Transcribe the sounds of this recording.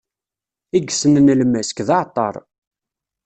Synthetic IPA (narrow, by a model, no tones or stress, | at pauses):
iɡsənənlmːæsə̥kðɑʕt̪ˤːɑ̰ɾˤ